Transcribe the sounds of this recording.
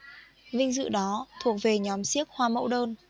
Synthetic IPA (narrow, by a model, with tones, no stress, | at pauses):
vï˧ŋ̟zɨ̰˧˨ɗɔ˨˦t̪ʰu˨˩ək̚ve˨˩ɲɔ˨˦msi˦˥ək̚hwaː˧mə̰˧˥wɗəː˧n